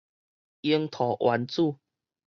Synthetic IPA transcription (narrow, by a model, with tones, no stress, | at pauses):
i˧˦əŋt̪ʰɔ˨˩ʔwʔa˨˦nt͡su˥˧˨